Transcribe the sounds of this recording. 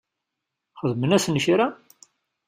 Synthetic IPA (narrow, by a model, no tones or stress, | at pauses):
χəðmənæsnəçɾa